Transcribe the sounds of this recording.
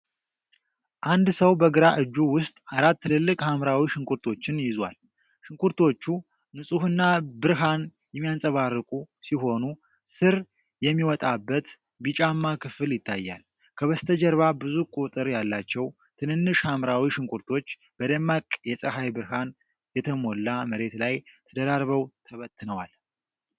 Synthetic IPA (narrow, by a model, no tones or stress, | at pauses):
ʔand̪səwbəɡɨɾaʔɨd͡ʒːuwʊst̪ʼaɾat̪ːɨlɨlːɨkʼhamɾawiʃɨŋkʷʰʼuɾt̪ʰo̞t͡ʃːɪnjɪzwa̰l | ʃɨŋkʷʰʼuɾt̪ʰo̞t͡ʃːu | nɨsʼuhɨnːabɨɾɦan | jɛmːijansʼəβarːɨkʼusiɦo̞nu | sɨɾ | jɛmːiwɔt̪ʼabːət̪ | bit͡ʃʼamːakʰɨfɨljɪt̪ʰːajːa̰l | kʰəβəst̪ʰəd͡ʒɛɾβabɨzukʼut̪ʼɨɾjalːat͡ʃːɛw | t̪ʰɨnɨnːɨʃhamɾawiʃɨŋkʷʰʼuɾt̪ʰo̞t͡ʃː | b̥əd̪əmːakʼjɛsʼəɦajbɨɾhan | jɛt̪ʰəmo̞lːaməɾe̞t̪lajt̪ʰəd̪əɾaɾβəwt̪ʰəβət̪ʰːɨnəwal